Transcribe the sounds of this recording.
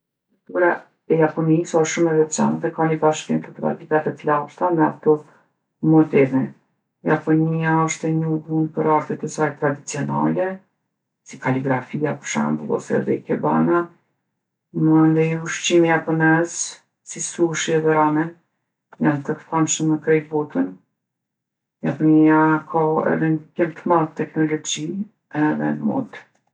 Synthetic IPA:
ukt̪uɾa | ɛjapɔnisaʃumɛvɛt͡ʃa̰nðɛkaɲəbaʃkimt̪ət̪ɾa̰t̪it̪at̪ɛtlaʃt̪anɛat̪ɔ | mɔt̪ɛvi | japɔniaɔʃt̪ɛɲuvunpəɾaɾt̪ɛt̪ɛsajt̪ɾad̪it͡siɔna̰lɛ | sikaliɡɾafijapəʃa̰mbulˠɔ̰sɛ̰ðɛ̰ikɛba̰na | mənd̪ɛjuʃt͡ɕimiapɔnɛz | sisuʃiɛðɛɾamɛ | jant̪əkθanʃəmːəkɾɛjbɔt̪ən | japɔɲijakʰaɛ̰ðɛnkɛmt̪əmaðt̪ːɛknɔlɔd͡ʑi | ɛðɛ̰nmɔ̰d̪

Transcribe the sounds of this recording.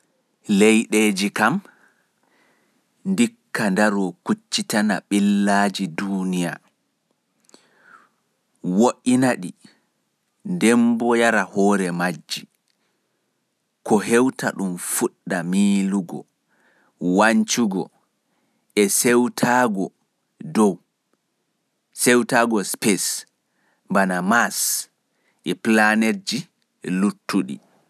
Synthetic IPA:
lejɗed͡ʒikam | ndikːandaɾɔkut͡ʃːitana̰ɓilːaːd͡ʒidunija̰ | woʔinaɗi | ndɛmbɔjaɾahɔːɾɛmad͡ʒːi | kɔɦɛwta̰ɗumfuɗːamiːluɡɔ̰ | waɲt͡ʃuɡɔ | ɛsewtʰaɡɔ | dɔw | sɛwtaɡɔspɛs | banamas | ʔɛplaned͡ʒi | lutːuɗḭ

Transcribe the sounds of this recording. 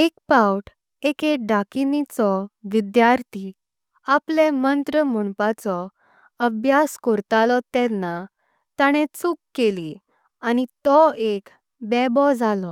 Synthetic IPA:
ekpawʈ | ekeɖakinit͡sɔʋid̪jaɾt̪i | aplemənt̪ɾəməɳpat͡sɔ | əbʱjaskɔɾt̪alɔt̪ɛ̃nːa | t̪aɽ̃et͡sukːeli | añit̪ɔek | bɛbɔd͡zalɔ

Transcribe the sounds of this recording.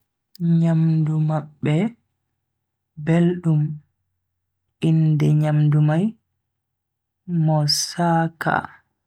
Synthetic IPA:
ɲamdumaɓːɛ | belɗum | indɛɲamdumaj | mɔsaːka̰

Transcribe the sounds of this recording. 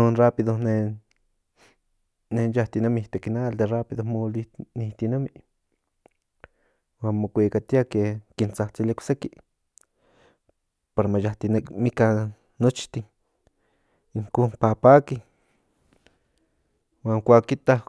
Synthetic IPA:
onrapiðone | nejaht̪inamit̪ekinald̪erapiðomolinit̪inami | wanmokʷikat̪jakekint͡saht͡silekʷseki | paɾamajaht̪inmika | not͡ʃt̪i | ŋkupapaki | waŋkʷakit̪a

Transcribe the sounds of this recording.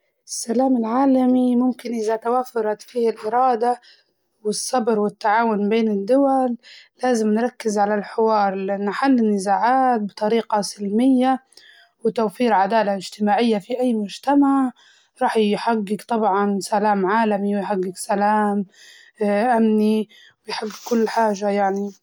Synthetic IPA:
ɪsːalaːmɪlʕaːlamimʊmkɪnʔɪðat̪awaːfɑɾˤɑt̪fiːhalʔɪɾˤɑːd̪a | wɪsːɑbɾwɪt̪ːaʕaːwʊnbeːnɪd̪ːʊwalːaːzɪmnɾˤɑkːɪzʕalalħɪwɑːɾˤlɪʔanːħalːɪnːɪzaːʕaːt̪̚bɪt̪ˤɑɾiːqɑsɪlmɪjːa | wɪt̪awfiːɾʕad̪aːlaʔɪd͡ʒt̪ɪmaːʕɪjːafiʔajːmʊd͡ʒt̪amaʕ | ɾˤɑːħjħaɡːɪɡt̪ˤɑbʕɑnsalaːmʕaːlamiwɪjħaɡːɪɡsalaːm | ʔamni | wɪjħaɡːɪɡkːʊlːħaːʒajaʕni

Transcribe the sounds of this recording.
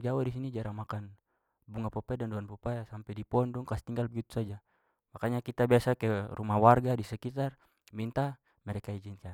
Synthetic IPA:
d͡ʒawadis̬inid͡ʒaɾamakan | buŋapɔpɛdandɔanpɔpasampɛdipɔndɔŋkast̪iŋɡalbiut̪u̥sad͡ʒa | makaɲakit̪abasakɛrumawarɡadisɛkit̪ar | mint̪a | mɛɾɛkaid͡ʒinka

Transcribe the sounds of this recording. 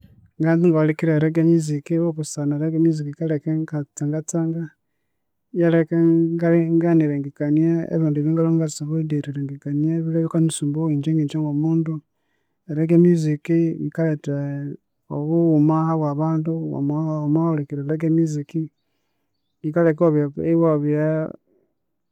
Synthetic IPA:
ŋɡanziŋɡaolikiɾaɾeɡemizikiβoβusanaɾeɡemizikiikalekeɡat͡saŋɡat͡saːŋɡa | jalekeɡaliŋɡaniɾeŋɡikaniaḛβiːnduβiːŋɡaloŋɡasaβodeɾiɾeŋɡikaniaβileβikanisuːmbowiːɲd͡ʒeŋɡit͡ʃoŋɡomuːndu | eɾeɡemizikiβikalete | oβuumahaβwaβaːndua̰maomaholekiɾeɾeɡ̬emiziki | ikalekoβjaiβoβja

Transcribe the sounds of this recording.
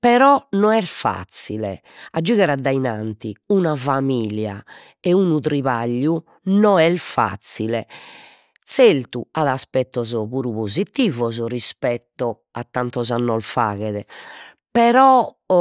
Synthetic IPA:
pɛɾɔnɔɛlfa̰t̪sːilɛ̰ | ad͡ʒuɣɛɾad̪ːainant̪iunavamiːlja̰ | ɛunut̪ɾiβaʎːu | nɔɛlfa̰t̪sːilɛ̰ | t̪selt̪uaðaspɛt̪ːɔzɔβuːɾuβozit̪ːiːvɔzɔrispɛt̪ːɔ | at̪ːant̪ɔzanːɔlfa̰ːɣɛðɛ | pɛɾɔ

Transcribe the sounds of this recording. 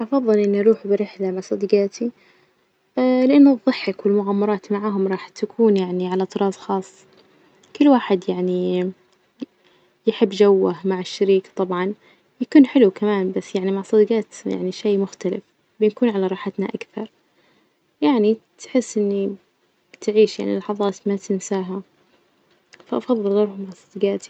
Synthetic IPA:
ʔɑfɑðˤːɨlʔɪnːʔɑɾˤuːħbɪɾɪħlamaʕsˤɑd̪iɡaːt̪i | lɪʔanːðˤːɨħːɪkwɪlmʊɣaːmːɑɾˤɑːt̪maʕaːɦʊmɾˤɑːħt̪akʰuːnjaʕniʕalat̪ˤɨɾˤɑːsˤxɑːsˤː | kʊlːwaːħɪd̪jaʕni | jħɪbːd͡ʒawːahmaʕɪʃːaɾiːkt̪ˤɑbʕɑn | jakuːnħɪlukamaːnbasːjaʕnimaʕsˤɑd̪ɡɑːt̪ja̰ʕniʃejːmʊxt̪alɪ̰f | bɪnkuːnʕalaɾˤɑːħat̪naʔakθɑɾˤ | jaʕnit̪ħɪsːʔɪnːi | t̪ɪʕiːʃja̰ʕnḭlːɑħɑðˤɑːt̪mat̪ɪnsaːɦa | faʔɑfɑðˤːɨlɣɑɾˤhʊmːaʕsˤɑd̪ɡaːt̪i̥

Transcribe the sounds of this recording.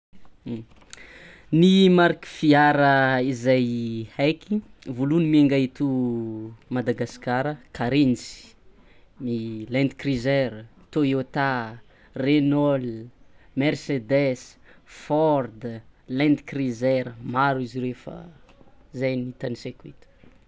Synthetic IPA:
nimaɾki̥fiaɾəizajhajkivulunimieŋɡait̪u | mad̪aɡaskaɾəkaɾint͡si̥ | milɛ̃nd̪krizɛɾət̪ojot̪a | renɔlmersed̪ɛsfɔrd̪lɛ̃nd̪krizɛɾəmaɾuiziɾefə̰ | zajnit̪anisekuḭt̪u̥

